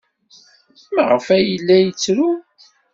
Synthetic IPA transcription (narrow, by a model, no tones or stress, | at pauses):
məʁəfæjəlːæjət͡sːɾu